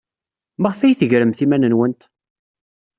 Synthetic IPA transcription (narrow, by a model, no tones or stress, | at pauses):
məʁfæjθəʝɾəmθimænənwənt̪